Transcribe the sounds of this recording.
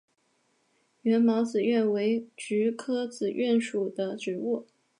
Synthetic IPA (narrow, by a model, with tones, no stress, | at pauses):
ɥɛ˧˥nmɑ˧˥ʊt͡sɹ̩˨˩ɥɛ˥˩nwe˧˥ɪʈ͡ʂy˧˥kʰɤ˥t͡sɹ̩˨˩ɥɛ˥˩nʂu˨˩d̪ə˦ʈ͡ʂɻ̩˧˥u˥˩